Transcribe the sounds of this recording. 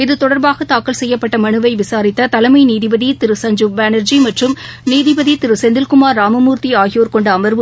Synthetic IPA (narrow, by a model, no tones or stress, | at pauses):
ɪðɯt̪ɔɽɐɾbaːɣɐt̪aːkːɐɭsɛjːɐpːɐʈːɐmɐɳɯʋɐɪʋɪsaːɾɪt̪ːɐt̪ɐlɐmɐɪniːðɪbɐðit̪ɪɾɯsɐɲd͡ʒɯbaːnɐɾd͡ʒimɐʈrɯmniːðɪbɐðit̪ɪɾɯsɛnd̪ɪlkɯmaːɾːaːmɐmuːɾt̪iaːɣɪjoːɾkɔɳɖɯɐmɐɾʋɯ